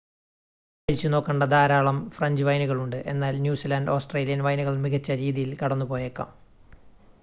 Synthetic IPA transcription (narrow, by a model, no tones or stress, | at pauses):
pɐɻit͡ɕːuno̞ːkːɐɳɖɐd̪aːɾaːɭɐmfrɐɲd͡ʑɨʋɐjnuɣɐɭuɳɖɨʔe̞̰nːaːlnjuːsilaɳɖo̞ːsʈreːlijɐnʋɐjnuɣɐɭmiɣɐt͡ɕːɐɾiːðijilkɐɽɐnːupo̞ːjekːɐ̰m